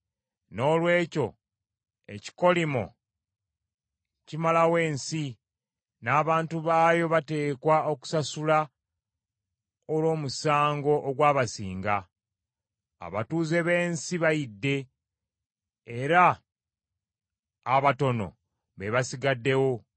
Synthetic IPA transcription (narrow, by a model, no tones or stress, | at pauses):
no̞ːlwe̞ːco̞ | e̞̰ci̥ko̞limo̞̰ | cimalawe̞ːnsi | naːβaːntuβaːjo̞βate̞ːkwaoku̥sasula | olo̞ːmusaːŋɡo̞ʔoɡwaːβasiːŋɡa | βa̰tuːzeβe̞ːnsiβajidːe̞ | eɾa | βato̞no̞̰ | βe̞βasiɡadːe̞wo̞